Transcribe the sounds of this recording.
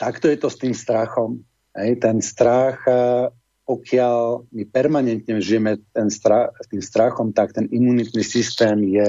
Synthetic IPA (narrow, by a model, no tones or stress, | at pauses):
t̪akt̪ɔjɛt̪ɔst̪iːmst̪ɾaxɔm | ɦɛjt̪ɛnst̪ɾax | pɔkʰɪaʎmipɛɾmaɲɛnt̪ɲɛʒijɛmɛt̪ɛnst̪ɾast̪iːmst̪ɾaxɔmt̪ak̚t̪ɛnimunit̪nisist̪ɛːmjɛ